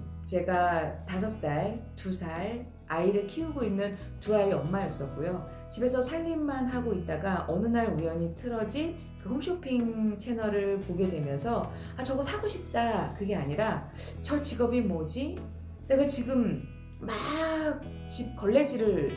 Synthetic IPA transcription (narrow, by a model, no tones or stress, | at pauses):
t͡ɕe̞ɡatasʰʌs͈aetusʰaɭ | aiɾɯɭkʰiuɡoinːɯn | tuaiʌmːaes͈ʌk͈ujo | t͡ɕibe̞sʰʌsʰaɭːimːanɦaɡoit̚t͈aɡaʔʌnɯnaɾujʌɲitʰɯɾʌd͡ʑi | kɯhoŋɕʰopʰiŋt͡ɕʰe̞nʌɾɯɭpoɡe̞dwe̞mjʌnsʰʌ | at͡ɕʌɡʌsʰaɡoɕʰip̚t͈akɯɡe̞aɲiɾa | t͡ɕʌt͡ɕiɡʌbimod͡ʑi | neɡat͡ɕiɡɯmː | ak̚ | t͡ɕip̚k͈ʌɭːe̞d͡ʑiɾɯɭ